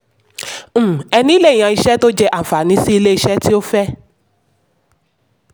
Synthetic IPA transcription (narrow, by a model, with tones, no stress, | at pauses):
m̩˦ɛ˧nĩ˦le˦˨j̃ã˨i˧ʃɛ˦to˦d͡ʒɛ˦ʔa˨fa˨nĩ˨˦si˦i˧le˦i˧ʃɛ˦ti˦o˦fɛ˦